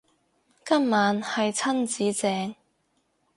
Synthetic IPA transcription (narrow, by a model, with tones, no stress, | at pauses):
kɐ˥mmaː˨˥nhɐ˨jt͡sʰɐ˥nt͡siː˨˥t͡sɛː˨˥ŋ